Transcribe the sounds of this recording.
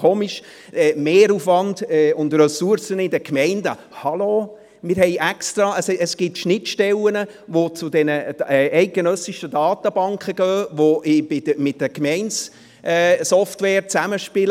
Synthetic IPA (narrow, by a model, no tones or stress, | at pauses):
oːmiʃ | ɛmeːɾufʋɑndɛːʊndrœsuɾsənɪdəkmɛɪndə | hɑlo | mɪːɾhɛɪʔɛkst̪ɾɑəsəsɡ̥ɪtʃnɪtʃtɛlənə | ʋot͡sʊdɛnəʔɛɪt̚ɡ̥enœsiʃədɑːt̪əb̥ɑŋkχəɡ̥œːʋoʔɪbɪdəmɪt̚dəkmɛɪns | ʔɛsɔftwɛːɾt͡sæməʃpɪl